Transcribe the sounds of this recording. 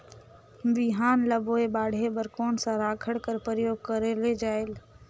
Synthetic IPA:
bɪɦaːnləboebaːɽ̤ʱebəɾkɔːnsãɾaːkʰəɽkəɾpɾəjoːɡ̚kəɾeled͡ʒaːel

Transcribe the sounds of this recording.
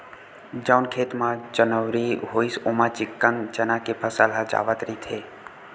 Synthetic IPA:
d͡ʒəwnkʰeːt̪mãd͡ʒənəʋɾiɦoisomãt͡ʃɪkːənd͡ʒənakepʰəsalad͡ʒa̰ːʋət̪ɾit̪ʰe

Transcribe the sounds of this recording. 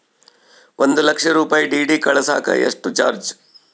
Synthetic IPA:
ʔond̪ulɐkʂɐɾuːpaːjiɖiːɖikɐɭɐsa̰ːkɐ̰ḛʂʈut͡ʃa̰ːɾd͡ʒ

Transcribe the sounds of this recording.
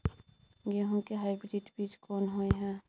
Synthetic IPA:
ɡeɦũkeɦaɪbɾɾiʈbiːt͡ʃkɔːnɦoeɦɛ̃

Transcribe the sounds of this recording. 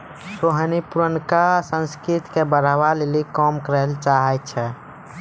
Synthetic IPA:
soɦənipuɾənkasə̃nskɾit̪kebəɾʋalelikɔmkəɾəlt͡ʃaɦɛt͡ʃʰɛ

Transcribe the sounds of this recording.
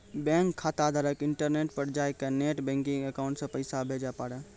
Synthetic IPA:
bɛ̃ŋkʰːat̪ad̪ʱəɾəkɪɳʈəɾneʈ̚pəɾd͡ʒajkeneʈbɛ̃ŋkĩŋɡəkaʊ̃ɳʈsə̃pəɪsabʱed͡ʒapaɽə

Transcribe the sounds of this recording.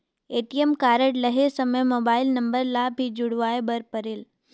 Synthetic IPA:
eːʈiemkaːɾəʈləɦesəməjmoːbaːɪlnɐ̃mbəɾlabʱid͡ʒʊɽʋaːebəɾpəɾel

